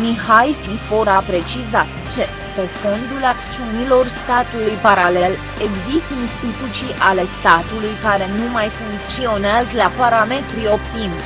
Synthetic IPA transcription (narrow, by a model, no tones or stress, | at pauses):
mihajfifo̞ɾapɾe̞t͡ʃizat̪ | t͡ʃe̞ | pefo̞nd̪ulakt̪t͡ʃiunilo̞rst̪at̪ulujpaɾale̞l | eɡzist̪inst̪it̪ut̪siʔale̞st̪at̪ulujkaɾe̞numajfuŋkt͡ʃio̞neazlapaɾame̞t̪ɾio̞pt̪imʲ